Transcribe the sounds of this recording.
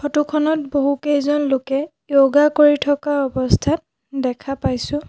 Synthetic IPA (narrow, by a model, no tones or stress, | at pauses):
kʰɔtukʰɔnɔt̚boɦukejzɔnlokɛ | joɡakoɹitʰɔkaɔbɔstʰat | dɛkʰapajsʊ̃